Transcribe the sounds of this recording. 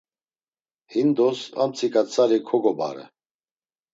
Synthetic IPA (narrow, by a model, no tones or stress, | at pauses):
hind̪ɔsa̰mt͡sʰikʼat͡sʰaɾikʰɔɡɔba̰ɾɛ̰